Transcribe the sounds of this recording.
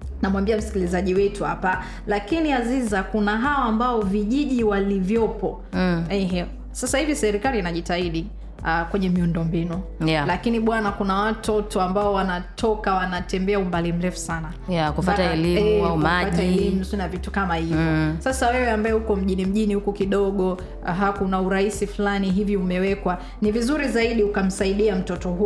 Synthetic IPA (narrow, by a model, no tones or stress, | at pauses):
namwambiam̩si̥kilizaʄiwɛtuha̰pa | lakiniazizakunaɦaɔambaɔviʄiʄiwalivjɔpɔ | ɛɦɛ | sasahivisɛɾikaliːnaʄitaiɗi | akwɛɲɛmiundɔmbinualakiniɓwanakunawatɔtɔambaɔwanatʰɔkawanatɛmbɛaumbalim̩lɛfu̥sana | jakuffataɛliɛaumaataɛlimusinavitu̥kamahivjɔsasawɛwɛambaɛukɔm̩ʄinim̩ʄinihukukiɗɔɠɔ | ɦakunauɾaisifulaniɦivjiumɛwɛkwa | nivizuɾizaiɗiukam̩saiɗiam̩tɔtɔhu